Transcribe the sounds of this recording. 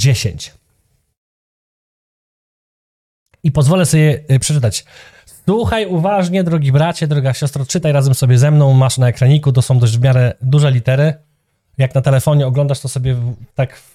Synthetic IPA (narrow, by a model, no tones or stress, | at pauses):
d͡ʑeɕḛɲt͡ɕ | ipɔzvɔlɛsɔbʲjɛpʂɛ̥t͡ʂɘt̪at͡ɕ | swuxajuvaʐɲɛd̪ɾɔɡʲibɾat͡ɕad̪ɾɔɡaɕɔst̪ɾɔt͡ʂɘt̪ajɾazɛmsɔbʲjɛzɛmnɔ̃w̃maʂnaɛkɾaɲikut̪̬ɔsɔ̃w̃d̪ɔʑd͡ʑvmʲjaɾɛd̪uʐɛlʲit̪ɛɾɘ | jaknat̪ɛlɛfɔɲɛɔɡlɔnd̪aʂt̪ɔsɔbʲjɛvt̪ak